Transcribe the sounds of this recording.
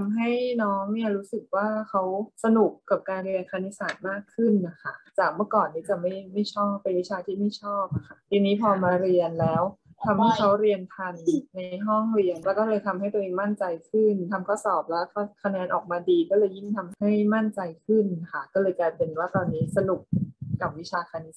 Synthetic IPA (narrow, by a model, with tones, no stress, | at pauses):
a˧mɦa˥˩jnɔː˦˥ŋni˥˩˨ɾuː˦˥sɯ˨˩k̚waː˥˩kʰa˦˥wsa˧nu˨˩kːa˨˩p̚kaː˧nɾi˧kʰaː˧ni˦˥saː˨˩t̪̚maː˥˩kʰːɯ˥˩nʔa˧˩kʰa˥˩t͡ɕaː˨˩k̚mɯ˥əkɔː˨˩nːiː˦˥t͡ɕa˨˩ma˥˩jma˥˩jt͡ɕʰɔː˥˩pːe˧nwi˦˥t͡ɕʰaː˧t̪ʰiː˥˩ma˥˩jt͡ɕʰɔː˥˩p̚ʔa˨˩kʰa˥˩t̪ʰiː˧niː˦˥pʰɔː˧maː˧ɾi˧ənlɛː˦˥wt̪ʰa˧mha˥˩jkʰa˦˥wɾi˧ənt̪ʰa˧nːa˧jɦɔ˥˩ŋɾi˧ənlɛː˦˥kɔː˥˩lɤː˧jt̪ʰa˧mha˥˩jt̪ːʔeː˧ŋma˥˩nt͡ɕa˧jkʰɯ˥˩nt̪ʰa˧mkʰa˦˥˩sɔː˨˩p̚lɛː˦˥kʰːkʰa˧nɛː˧nʔɔː˨˩k̚maː˧diː˧kɔː˥˩lɤː˧jːi˦˥˩nt̪ʰa˧mha˥˩jma˥˩nt͡ɕa˧jkʰɯ˥˩na˩kʰa˥˩kɔː˥˩lɤː˧jkaː˧jpe˧nwaː˥˩t̪ɔː˧nːiː˦˥sa˧nu˨˩k̚ka˨˩p̚wi˦˥t͡ɕʰaː˧kʰaː˧ni˦˥sa˨˩